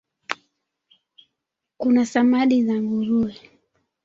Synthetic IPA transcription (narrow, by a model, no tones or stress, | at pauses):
kunasamaɗizaŋɡuɾuɛ